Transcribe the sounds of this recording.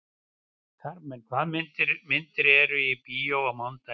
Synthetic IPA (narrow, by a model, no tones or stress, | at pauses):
kʰaɾmɛnkʰvaðmɪnt̪ɪɾmɪnt̪ɪɾɛɾʏipijowamawnt̪a